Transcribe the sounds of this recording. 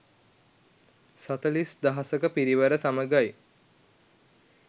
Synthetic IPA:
sat̪əlisd̪aɦasəkəpiɾiʋəɾəsaməɡaj

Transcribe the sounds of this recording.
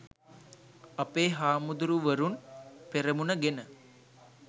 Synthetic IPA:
ɐpeːɦaːmud̪uɾuʋəɾunpeɾemunəɡenə

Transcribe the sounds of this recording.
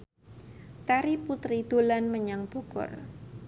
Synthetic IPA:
t̪aɾiput̪ɾid̪̥olanməɲaŋb̥ukʊ̰r

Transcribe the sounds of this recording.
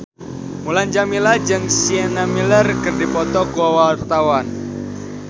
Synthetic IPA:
muland͡ʒamilad͡ʒɨŋsiɛnamilərkərdipɔt̪ɔɡuawart̪awan

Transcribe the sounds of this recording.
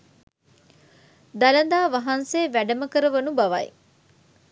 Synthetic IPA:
d̪ɐlɐnd̪aːʋɐɦɐnseːʋæɖɐmɐkəɾɐʋɐnubɐʋɐ̰j

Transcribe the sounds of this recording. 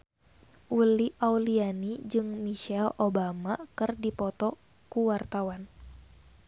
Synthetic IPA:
ʔuliʔawlianid͡ʒɨŋmiʃɛlobamakɨrdipɔt̪ɔ | kuwart̪awan

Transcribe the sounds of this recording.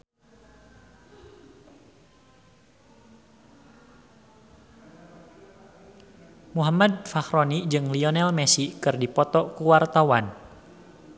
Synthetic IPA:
muɦamad̚faxɾɔnid͡ʒɨŋliɔnɛlmɛsikɨrdipɔt̪ɔkuwart̪awan

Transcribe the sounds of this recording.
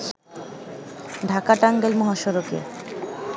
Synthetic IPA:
ɖʱakaʈaŋɡelmɔɦaʃoɾokḛ

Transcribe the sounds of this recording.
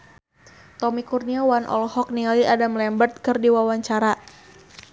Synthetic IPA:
t̪ɔmikurniawanʔɔ̰lhɔk̚nialiadamlɛmbərt̪̚kɨrdiwawaɲt͡ʃaɾa

